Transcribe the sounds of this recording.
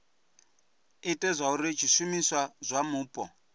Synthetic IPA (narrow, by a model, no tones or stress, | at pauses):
itʼɛzʷauɾit͡ʃʰiʃumiswazʷamuːpʼɔ